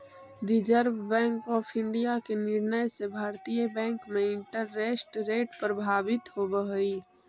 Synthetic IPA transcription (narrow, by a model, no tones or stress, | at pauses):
ɾɪd͡ʒəɾʋbɛ̃ːŋkɔːpʰɪ̃ɳɖijakenɪɾnəjsebʱaːɾt̪ijəbɛ̃ːŋkmẽɪ̃ɳʈəɾːeːsʈɾeːʈpɾəbʱaːbɪt̪ɦobəɦiː